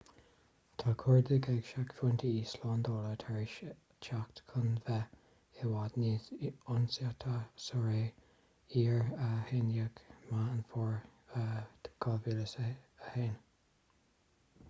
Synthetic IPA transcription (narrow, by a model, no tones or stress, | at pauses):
t̪ʰakʰɔɹd̪əɡɛɡʃakfunt̪ʰiiːslɔːnd̪oːlət̪ʰɛɹɪʃ | t͡ʃʰakt̪kʰʊnvɛ | ɪwad̪niːʊnsat̪ʰasɔɹeː | iːɹəhenjəɡmaənfɔɹəkʰɔviːləsəheːn